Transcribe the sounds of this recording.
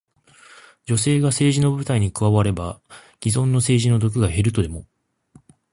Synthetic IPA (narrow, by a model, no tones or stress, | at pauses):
d͡ʑo̞s̬e̞ːɡase̞ːʑino̞bɯ̟t̪aiɲ̟ikɯ̟βaβaɾe̞baɡ̥ʲizõ̞nːo̞se̞ːʑino̞d̪o̞k̬ɯ̟ɡaɦe̞ɾɯ̟t̪o̞d̪e̞mo̞